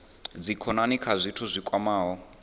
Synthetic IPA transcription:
d͡zikʰɔnanikʰazʷitʰuzʷikʼwamaːɦɔ

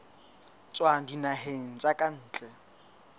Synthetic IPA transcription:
t͡sʼwadinaɦeŋ̩t͡sʼakʼan̩ːt͡ɬʼɛ

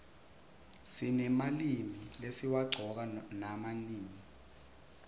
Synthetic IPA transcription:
sinɛmalimilesiwaɡ͡ǀʱɔk̬anamaniːŋi

